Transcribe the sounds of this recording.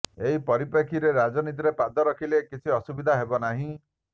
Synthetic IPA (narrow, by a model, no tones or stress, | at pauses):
eɦipɔɾipekʰiɾeɾad͡ʒɔnit̪̬iɾepad̪ɔɾɔkʰilekit͡ʃʰiɔsubid̪ʱaɦebɔnaɦĩ